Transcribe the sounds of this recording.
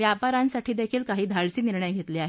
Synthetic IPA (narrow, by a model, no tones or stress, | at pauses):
ʋjapaɾãnsaʈʰiːd̪ekʰiːlkaɦiːd̪ʱaɭt͡siːniɾɳəjɡʱet̪liːaɦe